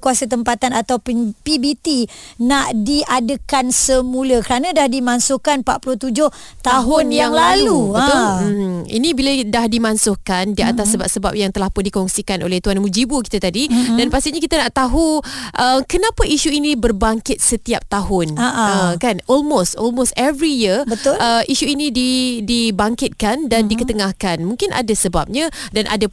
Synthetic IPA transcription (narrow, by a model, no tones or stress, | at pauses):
kuasat̪əmpat̪anat̪awppibit̪inaʔdiadəkansəmũləkəɾanãdahdimansʊkanpa̰ʔ̪̚pulʊht̪ud͡ʒʊh | t̪aɦʊnjaŋlaluə | ḭnĩbiladahdimansʊhkandiat̪asːəba̰p̚səba̰p̚jaŋt̪əlahpʊndikɔŋsikanʔo̰lɛht̪uanmud͡ʒibuki̥t̪at̪adidanpast̪iɲakit̪anaʔt̪aɦuʔəmkənãpaʔiʃuinĩbərbaŋkɪt̪̚sət̪iap̚t̪aɦʊnaʔəkanɔlmost̪ɔlmost̪ɛvɾijiəbət̪ʊləʔiʃuinĩdidibaŋkɪt̪̚kandandikət̪əŋãhkanmũŋkɪnʔa̰dasəba̰p̚ɲãdanʔa̰da